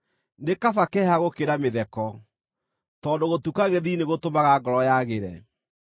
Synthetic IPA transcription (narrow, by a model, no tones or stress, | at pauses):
ndekafakɛaɣokeɾameðɛkɔ | tɔːndoɣotukaɣeðineɣotomaɣaɡɔɾɔjaɣeɾɛ